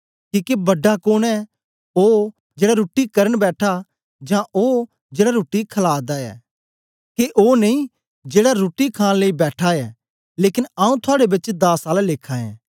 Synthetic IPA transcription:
kiːkebɐɖːakoːnɛ | oː | d͡ʒeːɽaɾoːʈikɐɾəɳbɛːʈʰa | d͡ʒãʔoː | d͡ʒeːɽaɾoːʈːikʰɐlaːd̪aɛ̰ː | keʔoːneĩ | d͡ʒeːɽaɾoːʈikʰãːnleibɛːʈʰaɛ | leːkɪnaːũt̪ʰʊaːɽebɪt͡ʃd̪aːsaːlleːkʰãɛ̰̃ː

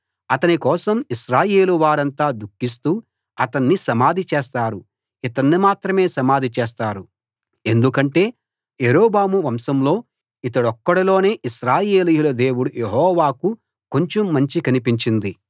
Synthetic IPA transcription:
ɐt̪ɐnikɔːsɐmiʃɾaːjeːluʋaːɾɐnt̪aːd̪ukːis̬t̪uː | ɐt̪ɐnːisɐmaːd̪ʱit͡ʃeːst̪aːɾu | it̪ɐnːimaːt̪ɾɐme̞ːsɐmaːd̪ʱit͡ʃeːst̪aːɾu | e̞nd̪ukɐɳʈe̞ː | jeɾoːbaːmuʋɐmsɐmlo̞ː | it̪ɐɽɔkːɐɽɐlo̞ːne̞ːʔiʃɾaːjeːlijulɐd̪e̞ːwuɽujeɦɔːʋaːku | ko̞ɲt͡ʃomːɐɲt͡ʃikɐnipiɲt͡ʃind̪i

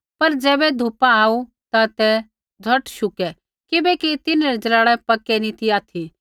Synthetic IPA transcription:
pɐɾd͡ʒɛːbɛd̪ʱʊpaaːu | t̪at̪ɛ | d͡zʱɐʈʃʊkɛ | kɪbɛkit̪ɪnɾɛd͡ʒɐɾaːɽɛpɐkːɛnĩt̪ʰiaːt̪ʰi

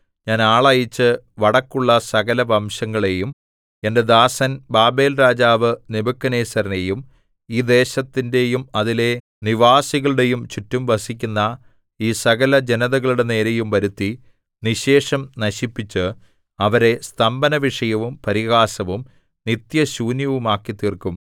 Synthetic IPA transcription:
ɲaːnaːɭɐjit͡ɕːɨ | ʋɐɽɐkːuɭːɐsɐɣɐlɐʋɐmɕɐŋːɐɭe̞jum | e̞nde̞d̪aːsɐnbaːbe̞ːlɾaːd͡ʑaːʋɨnibɐkːɐne̞ːsɐɾɐnejum | iːd̪e̞ːɕɐt̪ːinde̞jumɐðile̞ | niʋaːsiɣɐɭuɽe̞jumt͡ɕitːumʋɐsikʲːunːɐ | iːsɐɣɐlɐd͡ʑe̞nɐðɐɣɐɭuɽe̞ne̞ːɾe̞jumʋɐɾut̪ːi | niɕe̞ːʂɐmnɐɕipːit͡ɕːɨ | ɐʋɐɾe̞st̪ɐmbɐnɐʋiʂɐjɐʋumpɐɾiɣaːsɐʋum | nit̪jɐɕuːnjɐʋumaːkːit̪ːiːrkːum

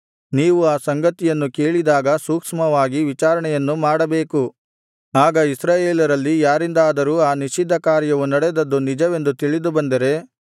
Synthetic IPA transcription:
niːʋuaːsɐŋɡɐt̪ijɐnːuke̞ːɭid̪aːɡɐsuːkʂmɐʋaːɡiʋit͡ʃaːɾɐɳɛjɐnːumaːɽɐbe̞ːku | aːɡɐisɾaːjeːlɐɾɐlːijaːɾind̪aːd̪ɐɾuːaːniʃid̪ːɐkaːɾjɐʋunɐɽɛd̪ɐd̪ːunid͡ʒɐʋe̞nd̪ut̪iɭid̪ubɐnd̪ɐɾe̞

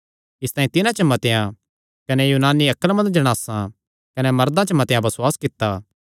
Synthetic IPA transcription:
ɪst̪aːĩt̪ɪnãt͡ʃɐmɐt̪ejã | kɐnɛjuːnaːnːiɐkːəlmɐ̃nd̪̚d͡ʒɐɽ̃aːsã | kɐnɛmɐɾd̪ãt͡ʃəmɐt̪ejãbɐsʊwaːskɪt̪ːaː

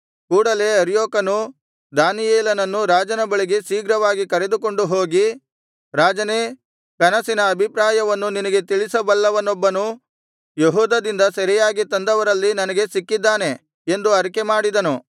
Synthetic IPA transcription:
kuːɽɐle̞ɐɾjoːkɐnu | d̪aːnijeːlɐnɐnːuɾaːd͡ʒɐnɐbɐɭiɡesiːɡɾɐʋaːɡikɐɾe̞d̪uko̞ɳɖuɦo̞ːɡi | ɾaːd͡ʒɐne | kɐnɐsinɐːbʱipɾaːjɐʋɐnːuninɐɡe̞t̪iɭisɐbɐlːɐʋɐnːɔbːɐnu | jeɦuːd̪ɐd̪ind̪ɐsɐɾijaːɡit̪ɐnd̪ɐʋɐɾɐlːinɐnɐɡe̞sikːid̪ːaːne̞ | end̪uɐɾikemaːɽid̪ɐnu

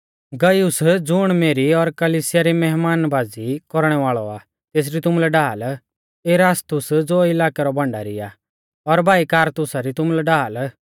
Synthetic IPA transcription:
ɡɐjʊsd͡zʊɽ̃meːɾiɔɾkɐliːsɪjaɾimɛɦmaːnbaːd͡zikɔɾɽ̃ɛʋaːɭɔaː | t̪eːs̬ɾit̪ʊmulɛɖaːl | eɾaːst̪ʊsd͡zoːɪlaːkɛɾɔbɐ̃ɳɖa̰ɾia̰ | ɔɾbʱaːikaːɾt̪ʊsaɾit̪ʊmlɛɖaːl

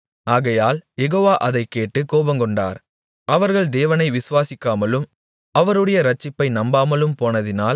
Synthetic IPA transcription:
aːɣɐjaːljɛɣoːʋaːʔɐðɐɪkːeːʈːɯkoːbɐŋkɔɳɖa̰ːɾ | ʔɐʋɐɾɣɐɭd̪eːʋɐnɐɪʋɪsɯʋaːsɪkːaːmɐlɯm | ɐʋɐɾɯɽɐjɐɾɐt͡ʃːɪpːɐɪnɐmbaːmɐlɯmpoːnɐðɪnaːl

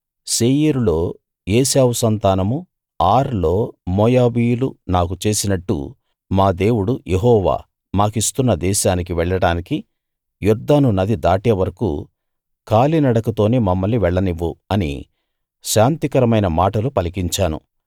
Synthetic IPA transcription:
seːjiɾulo̞ː | jeːsaːʋusɐnt̪aːnɐmu | aːɾlo̞ːmɔːjaːʋiːjulunaːkut͡ʃe̞ːsinɐʈːṵ | maːd̪e̞ːwuɽujeɦɔːʋa̰ː | maːkist̪unːɐd̪ɛːʃaːnik̬iʋɛɭːɐɽaːniki | juɾd̪aːnunɐd̪id̪aːʈiːʋɐɾɐkṵ | kaːlinɐɽɐkut̪o̞ːneːmɐmːɐlːiʋɛɭːɐniʋːuɐnḭ | ʃaːnt̪ikɐɾɐmɐjnɐmaːʈɐlupɐlikiɲt͡ʃaːnṵ

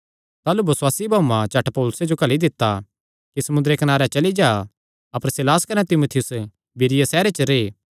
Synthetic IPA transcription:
t̪aːlubɐswaːsibʱaːũmãt͡ʃɐʈpoːlʊsed͡ʒokɐlid̪ɪt̪ːa | kisɐmʊ̃nd̪ɾekɐnaːɾɛt͡ʃɐlid͡ʒaː | ɐpəɾsɪlaːskɐnɛt̪ɪmoːt̪ʰɪjʊs | bʱɪɾɪjasɛːɾet͡ʃəɾeː

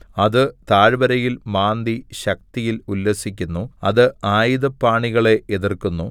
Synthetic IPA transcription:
ɐðɨt̪aːɻbɐɾɐjilmaːnd̪iɕɐk̚t̪ijilulːɐsikʲːunːuɐðɨaːjiðɐpːaːɳiɣɐɭe̞ʔeðirkunːu

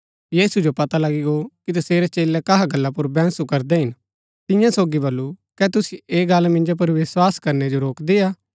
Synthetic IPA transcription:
jiːsud͡ʒopɐt̪alɐɡiɡokit̪ɐseːɾɛt͡ʃeːlɛkɐɦaɡɐlːapʊɾbɛ̃ːnsukɐɾd̪ɛɦɪn | t̪ɪ̃jãsoːɡibɐlːukɛt̪ʊsieːɡɐlmɪ̃nd͡ʒop̬ɐɾʋɪswaːskɐɾned͡ʒoɾoːkd̪eaː

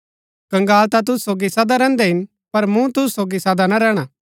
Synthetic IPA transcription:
kɐ̃ŋɡaːlt̪at̪̬ʊssoːɡisɐd̪aɾɛ̃ːnd̪ɛɦɪn | pɐɾmũt̪ʊssoːɡisɐd̪anaɾɛːɽ̃aː

